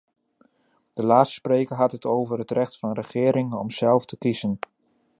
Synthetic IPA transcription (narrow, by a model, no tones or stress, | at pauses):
d̥əlaːtsspreːkərɦɑtɦətowvərɦətrɛχtfɑnrəχɪːəɾɪŋɔmz̥ɛlˠftəkizən